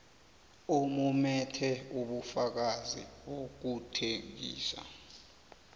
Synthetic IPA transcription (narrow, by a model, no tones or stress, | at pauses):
omumɛtʰɛuɓufak̬azḭɓok̬utʰeŋḭːsa̰